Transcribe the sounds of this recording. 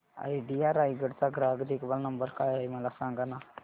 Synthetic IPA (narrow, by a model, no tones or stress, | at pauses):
a̰iɖiaːɾaːiɡəɽt̪aɡɾaːɡd̪ikʋɐlnɐmbəɾkaːjaimɐlasãːŋɡanaː